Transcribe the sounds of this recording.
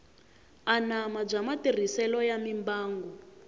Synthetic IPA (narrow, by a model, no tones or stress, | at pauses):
anamab͡ʐamatir̤isɛlɔjamimbaːŋɡɔ